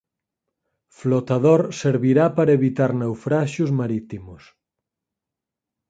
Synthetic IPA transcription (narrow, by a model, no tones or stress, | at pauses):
flot̪aðoɾseɾβiɾapaɾɐeβit̪aɾnewfɾaʃozmaɾit̪imʊs